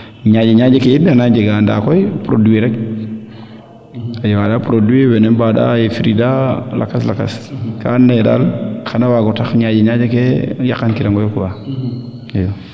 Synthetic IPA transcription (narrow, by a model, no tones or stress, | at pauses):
ɲad͡ʒeɲad͡ʒekejebianad͡ʒeɡanda̰ːkojpɾo̰dueɾek | ajewadapɾoduewenenbada̰jefiɾidala̰kaslaka̰skanːeda̰lxanawaɡotaxɲad͡ʒeɲad͡ʒekejakankiɾaŋɡojokuba | ajo